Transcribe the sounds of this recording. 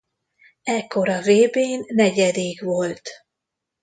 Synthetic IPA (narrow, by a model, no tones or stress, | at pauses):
ɛkːo̞ɾɒveːbeːnːɛɟɛd̪eːɡʋo̞lt̪